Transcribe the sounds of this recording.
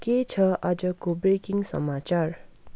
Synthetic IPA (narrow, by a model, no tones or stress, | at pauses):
ket͡sʰʌʔʌd͡zʌkobɾekiŋsʌ̰mat͡ʃar